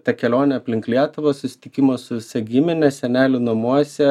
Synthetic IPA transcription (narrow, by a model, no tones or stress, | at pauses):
t̪ɐkʲɛlʲoːnʲɛɐpʲlʲɪŋklʲiɛt̪ʊʋoːsʊsʲɪ̥t̪ʲɪkʲɪmoːsʊʋʲɪsɐɡʲɪmʲɪnʲɛsʲɛnʲæːlʲʊnɐmuɔsʲɛ